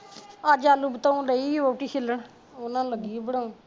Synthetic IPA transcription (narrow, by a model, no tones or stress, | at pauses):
ad͡ʒaːluːbt̪aːũːləiːoʈiːkʰɪləɳ | onãːləɡiːbəɽaːũː